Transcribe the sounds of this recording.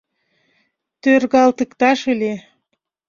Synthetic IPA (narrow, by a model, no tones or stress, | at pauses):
t̪ørɣɑlt̪əkt̪ɑʃɨle